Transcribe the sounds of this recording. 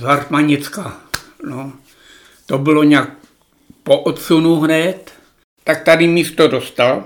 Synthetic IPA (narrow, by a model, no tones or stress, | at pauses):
zarmaɲɪt͡skano | t̪obɪlo̞ɲak̚ | poʔot̪sunuɦnɛt̪ | t̪ak̚t̪adɪmiːst̪odo̞st̪al